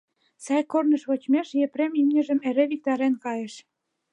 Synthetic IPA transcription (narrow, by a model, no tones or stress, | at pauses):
sɑjkornə̆ʃβot͡ɕmeʃjepɾemimnʲə̆ʒə̆meɾĕβik̚t̪ɑɾenkɑjĕʃ